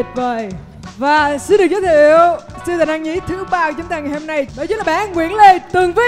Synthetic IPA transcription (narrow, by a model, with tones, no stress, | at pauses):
t̚vəː˨˩j | vaː˨˩si˧nɗɨ˨˩k̚zə˨˦t̪ʰːʔi˧˨əwsi˧t̪aː˨˩nʔa˧ŋɲḭ˧˥t̪ʰɨ˨˦ɓaː˧kwt͡ɕʊ˨˦ŋ͡mt̪aː˨˩ŋaː˨˩˨hna˧jɓəː˨˩t͡ɕːlaː˨˩ɓaː˧˨ŋwḭ˧˨ənle˧˩t̪ɨ˨˩əŋvi˨˦